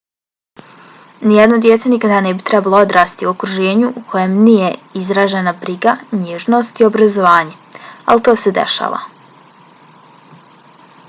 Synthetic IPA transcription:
nijɛd̪nod̪jet̪senikad̪anebit̪ɾɛbalˠood̪ɾaːst̪iokɾuʒeːɲuʔukʰo̞jemnijeizɾaːʒenabɾiɡaɲeʒno̞st̪io̞bɾazo̞ʋaːɲea̰lit̪o̞ːsed̪ḛʃa̰ːʋa̰

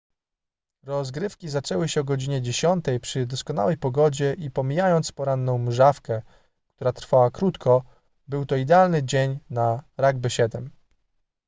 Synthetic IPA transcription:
ɾɔzɡɾɘfkʲizat͡ʂɛwɘɕɛɔɡɔd͡ʑiɲɛd͡ʑeɕɔnt̪ɛjpʂɘd̪ɔskɔna̰wɛjpɔɡɔd͡ʑɛʔipɔmʲijajɔnt̪spɔɾanːɔ̃w̃mʐafkɛ | kt̪uɾat̪ɾfawakɾut̪kʰɔ | bɘwt̪ɔid̪ɛalnɘd͡ʑeɲnaɾaɡ̚bɘɕɛd̪ɛm

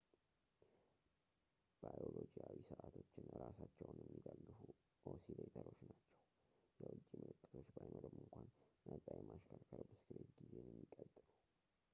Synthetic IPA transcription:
b̥ajolod͡ʒijawisɨʔat̪ʰo̞t͡ʃːɪnɾasat͡ʃːɛwnjɛmːiɡalːɨfu | ʔosilet̪ʰəlo̞t͡ʃːnat͡ʃːɛw | jɛwʊt͡ʃʼːimɨlɨt̪ʼːət̪ʰo̞t͡ʃːbajnoɾəmːɨŋkʷanːəzʼajimaʃkʰəɾkʰəɾbəsɨ̥kʰɾet̪ɡize̞njɛmːikʼət̪ʼːɨlu

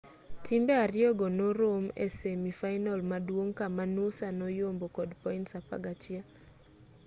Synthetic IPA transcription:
timbeaɾɪɔɡonoɾomḛsemifajnɔlmadwoŋkamanosanɔjombokɔdpɔintsapa̰ɡat͡ʃɪa

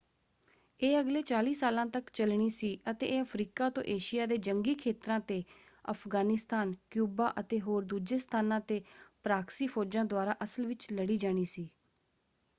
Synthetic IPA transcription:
eːəɡleːt͡ʃaːliːsaːlãːt̪əkt͡ʃəlɳ̃iːsiːʔət̪ḛːeːəpʰɾiːkaːt̪õ̰ːʔeːʃɪjaːd̪eːd͡ʒəŋɡiːkʰeːt̪ɾãːt̪eː | ə̰pʰɡaːnɪst̪aːnkjuːbaːʔət̪eːɦoːɾd̪uːd͡ʒeːst̪ʰaːnãːt̪eːpɾaːksiːpʰoːd͡ʒãːd̪ʊaːɾaːʔəsəlʋɪt͡ʃləɽiːd͡ʒaːɽ̃iːsiː

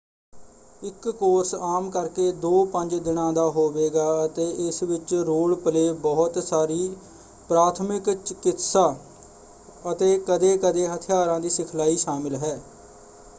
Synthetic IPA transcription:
ɪkːoːɾsaːmkəɾkeːd̪oːpəɲd͡ʒd̪ɪnãːd̪aːɦoːʋeːɡaːət̪eːʔɪsʋɪt͡ʃɾoːɭpəleːbɔːt̪saːɾiː | pɾaːt̪ʰmɪkt͡ʃɪkɪt̪saː | ət̪eːkəd̪eːkəd̪eːɦət̪ʰɪjaːɾãːd̪iːsɪkʰlaːiːʃaːmɪlɦɛː

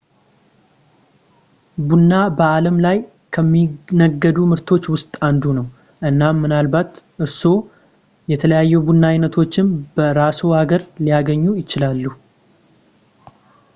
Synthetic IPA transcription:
bunːabəaləmlaj | kʰəmːinəɡːəd̪umɨɾt̪ʰo̞t͡ʃːwʊst̪ʼand̪unəw | ʔɨnːamːɨnalbat̪ʔɨɾso̞ | jɛt̪ʰələjajːɛbunːajnət̪ʰo̞t͡ʃːɪmb̥əɾasohaɡəɾlijaɡəɲːujɪt͡ʃɪlalːu

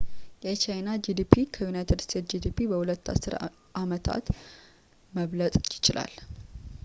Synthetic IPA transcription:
jɛt͡ʃajnad͡ʒid̪ipʰikʰəjunajt̪ʰɨd̪st̪ʰe̞t̪d͡ʒid̪ipibəhulət̪ːa̰sːɨɾ | ʔamət̪ʰa̰t̪ | məβlət̪ʼjɪt͡ʃɪlʔa̰l

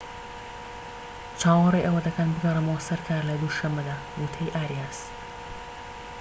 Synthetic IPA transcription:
t͡ʃaːwɑrˤejʔɐwɐd̪ɐkɐnbɨɡɐrɨmowɐsɐɾkʰaːɾlɐd̪uʃɐmːɐd̪aː | mut̪ʰɐjʔaːɾijaːs

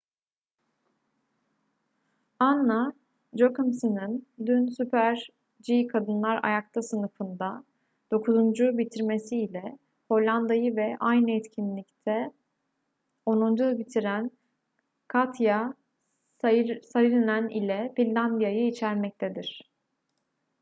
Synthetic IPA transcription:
anːa | d͡ʒøkɯmsɯnɯnd̪ynsypʰæɾ | d͡ʒikʰad̪ɯnlˠaɾa̰jak̚t̪ʰasɯnɯfɯnd̪a | d̪̥o̞kʰuzund͡ʒubit̪ʰiɾme̞siːlʲɛ | ho̞lʲːand̪ajɯvɛʔajnɯɛt̪cʰinlʲict̪ʰɛ | o̞nund͡ʒubit̪ʰiɾæn | kʰat̪ʰja | saɾɯlinænilʲɛfilʲːand̪ijajɯit͡ʃʰæɾmɛc̚t̪ʰed̪iɾ̥

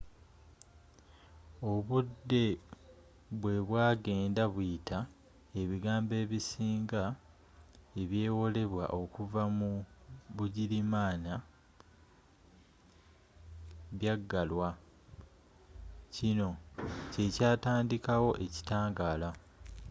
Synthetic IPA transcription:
o̞βudːe̞ | βwe̞βwaːɡe̞ːndaβwitʰa | e̞βiɡaːmbe̞ːβisiːŋɡa | e̞βje̞ːwo̞le̞βwa̰ʔo̞kuvamuβuɟilimaːna | βjaɡːalwa | cino̞ce̞caːtaːndikawo̞ʔe̞ci̥taːŋɡaːla

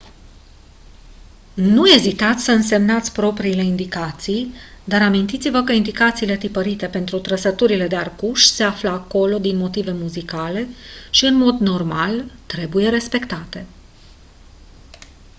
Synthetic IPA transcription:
nue̞zit̪at̪sʲsəɨnse̞mnat̪sʲpɾo̞pɾiːle̞ind̪ikat̪sijd̪aɾamint̪it̪sivəkəind̪ikat̪siːle̞t̪ipəɾit̪e̞pe̞nt̪ɾut̪ɾəsət̪uɾile̞d̪e̞arkuʃse̞afləako̞lo̞d̪inmo̞t̪ive̞muzikale̞ʃiɨnmo̞d̪no̞rmalt̪ɾe̞buje̞ɾe̞spe̞kt̪at̪e̞

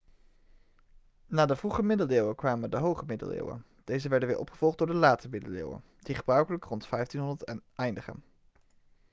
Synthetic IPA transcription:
naːdəvruχəmɪdəlɪːwəkʋaːmədəɦowχəmɪdə̰lˠɪ̰ːwə̰ | d̥ejzəʋɛɹdənʋɪ̰ːɹʔɔ̰pχəv̥ɔlˠχt̚dʊːɹdəlaːtəmɪdəlɪ̰ːwə̰ | d̥iχəbrœɥkələkrɔntfɛjftinɦɔndəɹtɛjndəχə̰n

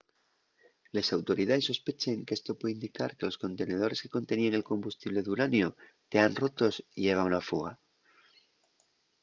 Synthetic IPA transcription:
le̞sawt̪o̞ɾiðaðe̞sːo̞spe̞t͡ʃeŋkeest̪o̞pweðind̪ikaɾke̞lo̞sko̞nt̪e̞ne̞ð̞o̞ɾe̞ske̞̥ko̞nt̪e̞nieŋe̞lko̞mbust̪iβ̞le̞ðuɾanjo | t̪eanro̞t̪o̞siʝe̞β̞aŋlafuɣ̞a

